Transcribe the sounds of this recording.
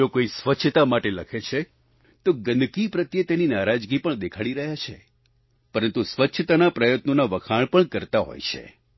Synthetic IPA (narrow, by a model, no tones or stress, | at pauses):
okoisʋətːʃʰət̪amaʈeləkʰet͡ʃʰe | t̪oɡənd̪kipɾət̪jət̪eninaɾad͡ʒɡipəɳd̪ekʰaɽiɾəɦjat͡ʃʰḛ | pəɾənt̪usʋətːʃʰət̪anapɾəjət̪nonaʋəkʰaɭpəɳkəɾt̪aɦo̰jt͡ʃʰḛ